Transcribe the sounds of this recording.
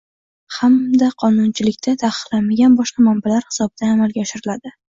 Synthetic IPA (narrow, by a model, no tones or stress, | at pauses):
hamd̪aqʰɒnʊnt͡ʃʰɪlɪkʲt̪ʰat̪ʰaqɨ̥qlanmaɡʲanbɒʃqɑmambalaɾhɪ̥sɒbɪd̪̥anamalɡʲaɒʃɪɾɪlad̪ɪ